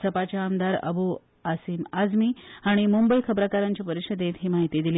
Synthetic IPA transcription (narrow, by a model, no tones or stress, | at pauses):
səpat͡ɕjaːmd̪aɾə̰bu | asiːmad͡zmiːaɽ̃imumbəikʰəbɾakaɾaɲt͡ɕipəɾiɕəd̪et̪ɦiːmaɦit̪id̪ili